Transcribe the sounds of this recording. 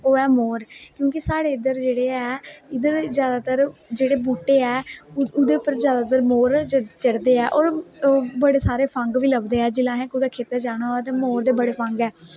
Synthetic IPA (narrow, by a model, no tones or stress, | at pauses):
oːɛːmoːɾkjõːkisaːɽeːɪd̪əɾd͡ʒeːɽeːɛːɪd̪əɾzjaːd̪aːt̪əɾd͡ʒeːɽeːbuːʈeːɛːʊd̪eːʊpːəɾzjaːd̪aːt̪əɾmoːɾt͡ʃəɽd̪eːɛːʔoːɾbəɽeːsaːɾeːpʰə̃ŋɡʋiːləbd̪eːɛːd͡ʒɪlãːɦɛ̃ːkʊd̪aːkʰeːt̪əɾd͡ʒaːɽ̃aːoɛːt̪eːmoːɾd̪eːbəɽeːpʰə̃ŋɡɛː